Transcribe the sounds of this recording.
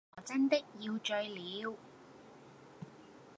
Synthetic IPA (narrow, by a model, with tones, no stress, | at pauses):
ɔ˨˩t͡sɐ˥nt̪ɪ˥k̚jiː˧wt͡ʃɵ˧ɥliː˨˧w